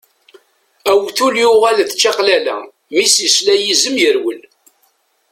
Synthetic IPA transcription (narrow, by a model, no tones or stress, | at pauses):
æwθuljʊʁælθt͡ʃːɑqlælæ̰ | misislæjizəmjəɾwəl